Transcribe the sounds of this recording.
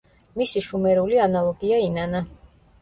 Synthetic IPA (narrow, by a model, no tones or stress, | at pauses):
misiʃumɛɾulianalˠɔɡiainana